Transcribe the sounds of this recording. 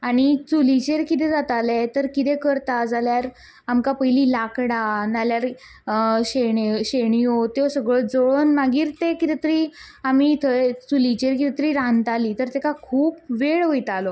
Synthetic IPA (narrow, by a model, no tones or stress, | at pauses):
aɽ̃it͡sulit͡ɕeɾkit̪ɛd͡zat̪alet̪əɾkit̪ɛkəɾt̪ad͡zaljaɾ | amkapəjliːlakɽanaljaɾ | ɕeɳɕeɳiot̪eosəɡɭod͡zoɭonmaɡiːɾt̪ekit̪ɛt̪əɾiːamiːt̪ʰəet͡sulit͡ɕeɾkit̪ɛt̪əɾiːɾãnt̪aliːt̪əɾt̪ekakʰuːpʋeɭʋojt̪alɔ